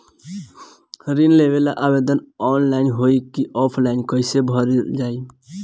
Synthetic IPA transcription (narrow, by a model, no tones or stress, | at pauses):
ɾinleʋelaʔaːbed̪ənɔːnlaɪnɦoikiʔɔːpʰlaɪnkəɪsebʱəɾd͡ʒaːi